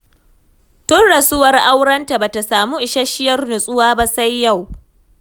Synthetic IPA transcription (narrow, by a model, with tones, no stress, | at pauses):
tʊ˦nɽɐ˨sʊ˦wɐ˨rʔa˦wɽɐ˦nta˨ba˨ta˨saː˨mu˦ʔɪ˨ʃa˦ʃɪ˦jɐ˦rnʊ˨sʼʊ˦waː˦ba˦sa˦jːa˦˨w